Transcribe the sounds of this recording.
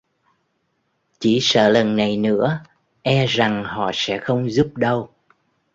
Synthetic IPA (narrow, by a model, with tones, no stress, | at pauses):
t͡ɕi˧˩sə̰ː˧˨lə˨˩nːa˨˩jnɨ̰˧˥ə | ʔɛ˧za˨˩ŋhɔ̰˧˨sɛ̰˧˥xə˧wŋ͡mzu˦˥p̚ɗə˧w